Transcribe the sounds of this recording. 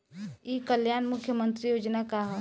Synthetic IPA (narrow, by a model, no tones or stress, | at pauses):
ikəljanmukʰjəmənt̪ɾijod͡ʒnakaɦ